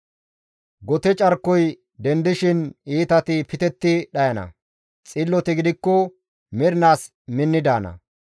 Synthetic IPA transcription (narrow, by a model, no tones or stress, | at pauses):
ɡɔt̪ɛt͡ʃʼɐɾkːɔj | d̪ɛnd̪ɪʃɪniːt̪ɐt̪ɪpɪt̪ɛt̪ːɪɗɐjɐnɐ̰ | t͡sʼɪlːɔt̪ɛɡɪd̪ɪkːɔ | mɪɾnaːs | mɪnːɪd̪aːnɐ̰